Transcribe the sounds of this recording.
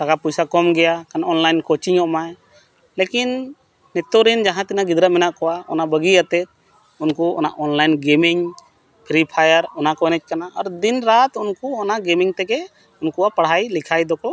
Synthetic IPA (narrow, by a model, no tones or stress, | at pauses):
sakapujsakɔmɡɛjakanɔnlajnkɔt͡ʃiɲɔʔmaj | lekinː | ɛt̪ɔɾind͡ʒaɦãt̪inaɡid̪ɾət̪̚mɛnaʔkɔwaɔ̰nabəɡiat̪ɛt̪̚ | unkuɔ̰na̰ʔɔnlajnɡɛmiŋ | pʰɾipʰajəɾɔnakɔjnɛc̚kanaʔaɾd̪inɾat̪unkuɔnaʔɡɛmiŋt̪ɛɡɛ | unkuapaɽ̤ɦajlikʰajd̪ɔkɔ